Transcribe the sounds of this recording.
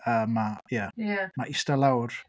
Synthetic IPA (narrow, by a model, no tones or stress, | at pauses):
əːmajajamaʔɪstalˠawr